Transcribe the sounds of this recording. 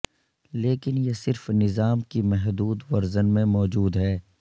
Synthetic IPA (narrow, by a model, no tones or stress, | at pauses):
leːkɪnjesɪɾfnɪzaːmkimɛɦd̪uːd̪ʋɐɾzənmẽmɔːd͡ʒuːd̪ɦɛː